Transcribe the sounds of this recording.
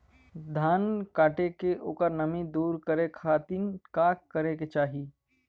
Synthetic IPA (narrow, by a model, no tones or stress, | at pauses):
d̪ʱaːnkaːʈekeʔoːkəɾnɐmĩd̪uːɾkəɾekʰaːt̪inkaːkkːəɾeket͡ʃaːɦi